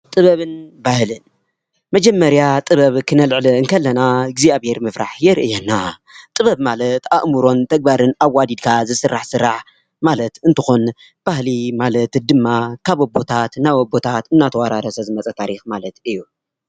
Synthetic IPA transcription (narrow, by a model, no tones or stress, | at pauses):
t̪ʼɨβɐβɨnbahlɨn | mɐd͡ʒɐmːɐɾjat̪ʼɨβɐβkʰɨnɐlʕlɨɨŋkʰɐlːɐnaɡziabeɾmɨfɾaħjɛɾɨʔɨjanːa | t̪ʼɨβɐβmalɐt̪a̰ʔmuɾo̞nt̪ʰɐɡ̚baɾɨnaβːad̪id̪kʰazɨsɨrːaħsɨrːaħ | malɐt̪ɨnt̪ʰɨxon | b̥ahlimalɐt̪d̪ɨmːakʰaβobo̞t̪ʰat̪nawobo̞t̪ʰat̪ɨnːat̪ʰɐwaɾaɾɐsɐzɨmɐt͡sʼɐt̪ʰaɾixmalɐt̪ɨjːu